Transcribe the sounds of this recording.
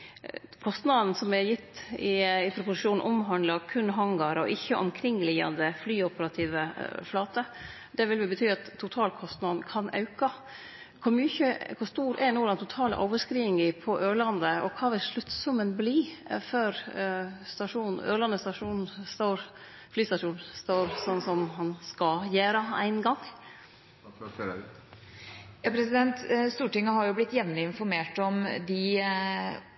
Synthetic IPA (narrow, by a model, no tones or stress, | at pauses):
kʰɔst̪nɑd̪n̩sɔmɛjɪt̪ːɪɪpʰɾʊpʊsɪ̥ʃuːn̩ʔɔmɦɑnd̪lɑkʰʉnɦɑŋɡɑɾɔ̰ʔɪçːəʔɔ̰mkʰɾɪŋːlɪɑ̰nd̪əflyːɔpəɾɑt̪ʰiːʋəflɑːt̪ə | d̪ɛʋɪlʋɪlbət̪ʰyːɑt̪ʰːʊt̪ʰɑːlkʰɔst̪nɑːd̪n̩kʰɑnʔɑ̰ʉkɑ | kʰʊɾmyːçəkʰʊst̪uːɾɛnuːlɑnt̪ʰʊt̪ʰɑːlə̰ʔɔ̰ʊʋəskɾiːɪŋɪpʰɔʔøːɾɭɑnd̪əɔkʰɑːʋɪlʂɭʉt̪sʊmənbliːføɾ | st̪ɑʂuːnn̩øːɭɑnːəst̪ɑʂuːnn̩st̪oːɾ | flyːst̪ɑʂuːnst̪oːɾsɔnsɔmhɑnskɑjæːɾəæ̰ɪnɡɑŋː | jɑːpʰɾɛsɪd̪ɛnt̪st̪uːʈɪŋːəhɑɾjʊblɪt̪ːjɛʋnəɪnfɔɾmeːʈɔmd̪ɪ